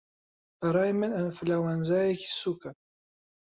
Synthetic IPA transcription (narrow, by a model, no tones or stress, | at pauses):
ɐɾˤɑːjmɨnɐnfɨlawaːnzaːjeki̥suːkɐ